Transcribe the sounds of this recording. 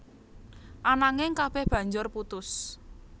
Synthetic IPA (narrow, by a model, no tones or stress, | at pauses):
ʔanaŋɪŋkab̥ɛhb̥ä̤ɲd͡ʒʊrput̪ʊs